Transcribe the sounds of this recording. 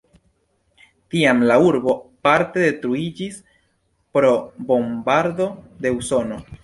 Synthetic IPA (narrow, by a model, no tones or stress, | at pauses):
tiamlauɾbo̞paɾte̞de̞tɾuid͡ʒis | pɾo̞bo̞mbaɾdo̞de̞uso̞no̞